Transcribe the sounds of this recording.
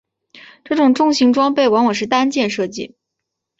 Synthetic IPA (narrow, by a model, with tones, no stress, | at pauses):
ʈ͡ʂɤ˥˩ʈ͡ʂʊ˨˩ŋʈ͡ʂʊ˥˧ŋɕi˧˥ŋʈ͡ʂwɑ˥ŋpe˥˩ɪwa˧˥nwɔ˨˩ʂ̬ɻ̩˥˩t̪a˥nt͡ɕjɛ˥˧nʂɤ˥˧t͡ɕi˥˩